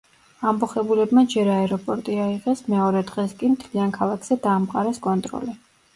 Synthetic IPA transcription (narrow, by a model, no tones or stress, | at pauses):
ambɔχɛbulɛbmad͡ʒɛɾaɛɾɔpʼɔɾt̪ʼiaiʁɛsmɛɔɾɛd̪ʁɛskʼimt̪ʰliankʰalˠakʰz̥ɛd̪aːmqʼaɾɛskʼɔnt̪ʼɾɔ̰lɛ